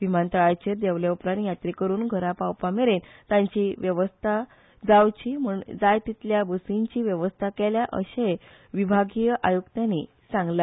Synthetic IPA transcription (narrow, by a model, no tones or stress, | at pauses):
ʋimant̪əɭajt͡ɕeɾd̪eʋljeupɾanjat̪ɾikəɾuːnɡʱəɾapawpameɾent̪jãɲt͡ɕiʋjəʋəst̪ʰa | d͡zawt͡ɕim̤uɳd͡zajt̪it̪ljabəsiɲt͡ɕiːʋjəʋəst̪ʰakeljaʔəɕe | ʋibʱaɡijəʔajuɡt̪jani | sãŋɡla